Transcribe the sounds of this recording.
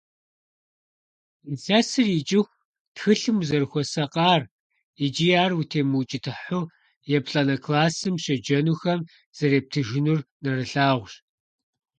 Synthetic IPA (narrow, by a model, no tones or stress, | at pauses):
izɐsɨrjit͡ʃʼɪxʷ | txɨɬɨmuzɐrxʷɔsɐqʼɑːr | id͡ʒijaːrwutʰeːmɨwt͡ʃʼɪtʰɨħʊ | jɛpɬʼɐnɐkʰlaːsɨmʃɐd͡ʒɐnuːxɐm | z̥ɐɾeːp̚tʰɨʒɪnurnɐrɨɬaːʁʷɕ